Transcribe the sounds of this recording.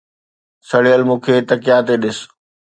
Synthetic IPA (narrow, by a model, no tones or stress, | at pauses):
sɐɽijəlmũːkʰeːt̪ɐkɪjat̪eɗɪs